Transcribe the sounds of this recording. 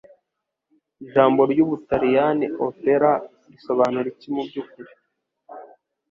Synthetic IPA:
iʒaːmbo̞ɾɟuːβutaɾijaniʔopeɾa | ɾiso̞βaːnuɾicimubɟuːkuɾi

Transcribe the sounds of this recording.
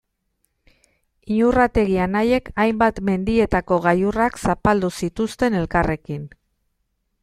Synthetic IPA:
iɲurat̪e̞ɣianaje̞kajmbat̪me̞nd̪ie̞t̪ako̞ɣajuraksapald̪usit̪ust̪e̞ne̞lkare̞kin

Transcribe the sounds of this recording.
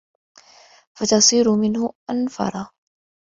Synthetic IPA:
fat̪ɑsˤiːɾʊmɪnhʊʔanfɑ̰ɾˤɑ

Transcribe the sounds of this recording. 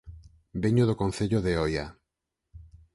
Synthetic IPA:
beɲoðokõn̟θeʎoðeoja

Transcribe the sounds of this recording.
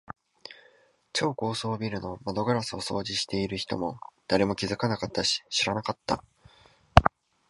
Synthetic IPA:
t͡ɕo̞ːko̞ːso̞ːbʲiɾɯ̟no̞mad̪o̞ɡaɾasɨoso̞̰ːʑiɕi̥t̪e̞iɾɯ̟çi̥t̪o̞̰mo̞d̪̥aɾe̞mo̞kʲizɨkanakat̪ːaɕi̥ɕiɾanakat̪ːa̰

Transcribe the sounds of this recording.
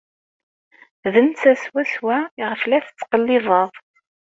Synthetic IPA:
ðənt͡sæswæswæʁəflæθə̥t͡sːqəlːɪðˤɑðˤ

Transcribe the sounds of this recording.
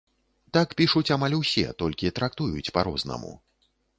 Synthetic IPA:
t̪akpʲiʂut͡sʲamalʲusʲɛ̰t̪ɔlʲkʲit̪ɾakt̪ujut͡sʲpaɾɔznɐ̰mṵ

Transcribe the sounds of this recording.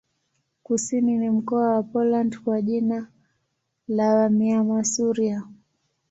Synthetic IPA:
kusininim̩kɔawapɔlandkwaʄina | lawamiamasuɾia

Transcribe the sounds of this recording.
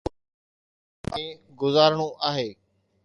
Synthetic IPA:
ɡʊzaːɾɽ̃uʔaːɦeː

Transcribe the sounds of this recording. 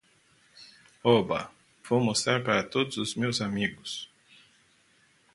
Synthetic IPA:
oba̰ | fomost̪aɾpaɾat̪od̪susmiusamiːɡus

